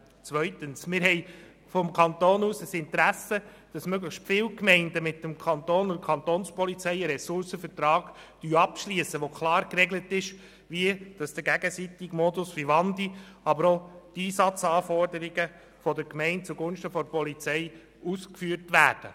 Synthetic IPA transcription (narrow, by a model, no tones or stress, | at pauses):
t͡sʋœʏtənsmɪɾɦɛɪ | fɔmkʰɑnt̪oːnuːsəsɪntɾæsə | d̥ɑsmøɡləxʃtfɪlkmɛɪndəmɪtːəmkʰɑnt̪oːnʊdkʰɑnt̪oːnspɔlit͡sɛɪəɾɛsʊɾsəfəɾtɾɑːɡ̥ | d̥yːɑpʃliəsəʋokʰlɑːɾkrɛɡlətɪʃ | ʋiəd̥ɑsd̥əɡæɡəsit̪iɡmɔdʊsfiʋɑndiɑbəɾotiːsɑt͡sɑːfɔrdəɾiɡə | fɔdəɾkmɛɪnt̚t͡suɡʊnʃtəfɔɾpɔlit͡sɛɪ | uːskfyːɾtʋæːɾd̥ə